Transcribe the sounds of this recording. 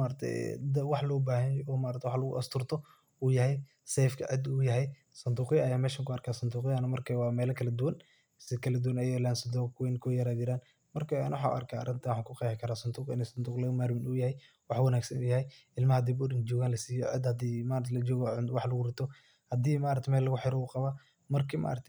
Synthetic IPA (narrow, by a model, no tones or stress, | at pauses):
maːɾɐt̪ʰɛ̰j̰d̪ɐwɑħlɔːbaːɦɐjɔːmaːɾɐt̪ʰːɛwɑħlɐɣʊ̰ʔɐst̪ʰʊrt̪ʰɔ | uːjɐɦɛj | sɛjfkʰɐʕɪd̪ujɐɦɛj | sɐnd̪uːqɪɐjaːmɛːʃaːŋkʰʊɐrkʰaːsɐnd̪uːqɪɐnɐmɐrkʰɐwɑːmɛːlɐkʰɐlɐd̪ʊwɐn | sɪkʰɐlɐd̪ʊwɐnɛjɛlaːnsɐnd̪ukwɛnkʰɔːjɐɾaːd͡ʒɪɾaːn | mɐrkʰɐ̰nwħaːʊ̰ʔɐ̰rkʰaːɐ̰rɪnt̪ʰɐwħɑːŋkʰʊqɛːjħɪkʰɐɾaːsɐnd̪uːqɪnɛsɐnd̪uːqlɐmaːɾmɪnujɐhɛj | wɑħwɐnaːɡsɐnuːjɐɦɛjʔɪlmɐhɐd̪iːbʊdɪnd͡ʒɔːɣaːnlɐsiːjɔʕɪ̰d̪hɐd̪iːmaːɾt̪ʰlɐd͡ʒɔːɣɔwɑħlɐɣʊɾɪt̪ʰɔ | hɐd̪iːmaːɾɐt̪ʰmɛːlːɐɣʊħɪɾɔuqɑβaː | mɐrkʰimʔa̰ːɾɐt̪ʰɛ